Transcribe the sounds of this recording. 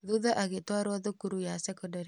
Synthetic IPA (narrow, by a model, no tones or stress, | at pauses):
ðuðaʔaɣetwaɾwaðokuɾujasɛkɔndaɾi